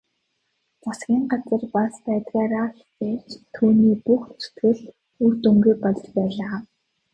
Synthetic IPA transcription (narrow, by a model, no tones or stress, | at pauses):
qʊsɡʲiːŋɢat͡sə̆rpaspæːt̪ɣaːɾaxt͡seːt͡ɕt̪ʰuːniːpuxt͡sɵ̥t̪ɡɘ̆ɮ | urt̪ɵŋɡujpɔɮ̆t͡ɕpæːɮaː